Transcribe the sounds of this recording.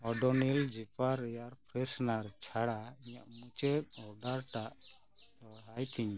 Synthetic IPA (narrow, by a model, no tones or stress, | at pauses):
ɔɖɔnild͡ʒipaɾɛjaɾpʰɾɛsnaɾt͡ʃʰaɽaiɲaʔmut͡ʃɛt̪̚ɔɖaɾʈaʔ | d̪ɔɽɦajt̪iɲ